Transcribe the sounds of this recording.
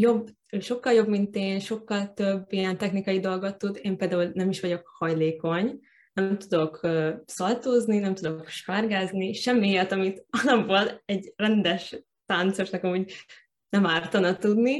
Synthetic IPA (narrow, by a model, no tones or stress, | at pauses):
jo̞bː | ʃo̞kːɒljo̞bmint̪eːnʃo̞kːɒlt̪øbːijɛnt̪ɛxnikɒjid̪o̞lɡo̞t̪ːud̪eːmpeːld̪aːulnɛmiʃʋɒɟo̞khɒjleːko̞ɲ | nɛmt̪ud̪o̞køsɒlt̪oːzninɛmt̪ud̪o̞kʃfarɡaːzniʃɛmːiejɒt̪ɒmit̪ɒzɒmboːlɛɟrɛnd̪ɛʃ | t̪ant̪soʃnɒkɒmuɟ | nɛmaːrt̪ɒnɒt̪ud̪ni